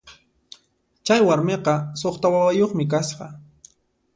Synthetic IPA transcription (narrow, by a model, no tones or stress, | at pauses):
t͡ʃajwaɾmeqɑsoχt̪awawajoχmɪk̬asqɑ